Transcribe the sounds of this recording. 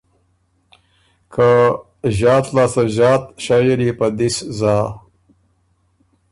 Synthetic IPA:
kʰa | ʑaːt̪laːsɐʑaːt̪ɕajeɾipɐd̪iszaː

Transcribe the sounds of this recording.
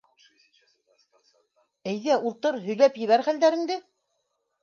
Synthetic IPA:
æjðæʔulˠt̪ɤɾɦɵ̆jlæpjɘ̆βæɾχæld̪æɾɘ̆ŋd̪ɘ

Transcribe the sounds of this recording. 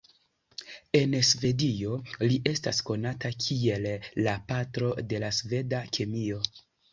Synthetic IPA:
e̞nsve̞dio̞liʔe̞stasko̞natakʰie̞lːapatɾo̞de̞lasve̞dakʰe̞mio̞

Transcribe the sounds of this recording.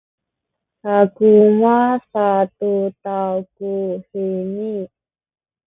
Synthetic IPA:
ʔakumasat̪ut̪awkuhini

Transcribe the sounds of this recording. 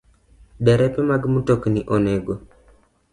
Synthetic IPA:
dɛɾɛpɛmaɡmutokniʔoneɡo

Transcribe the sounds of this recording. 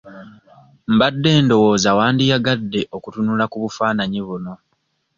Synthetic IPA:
m̩badːe̞ːndo̞wo̞ːzawaːndijaɡadːe̞ʔo̞kutunulakuβufaːnaɲiβuno̞

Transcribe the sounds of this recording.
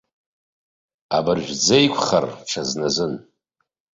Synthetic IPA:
a̰bɨrʒᶣʷd͡zejkʷʰχarʈ͡ʂʰaznazɨn

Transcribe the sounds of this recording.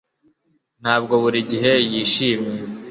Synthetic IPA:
n̥haːb̚ɡo̞βuɾiɟiɦe̞jiːʃiːmje

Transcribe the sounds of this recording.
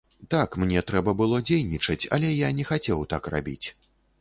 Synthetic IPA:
t̪akmnʲɛt̪ɾɛbɐbɨlˠɔd͡zʲejnʲit͡ʂɐt͡sʲɐ̰lʲɛjanʲɛxat͡sʲɛwt̪akra̰bʲḭt͡sʲ

